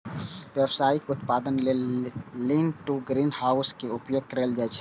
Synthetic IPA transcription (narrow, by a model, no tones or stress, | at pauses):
ʋebsajikʊt̪pad̪ənlelinʈuɡɾinhaʊskeupjoɡ̚kəɾəld͡ʒaɛt͡ʃʰɛ̥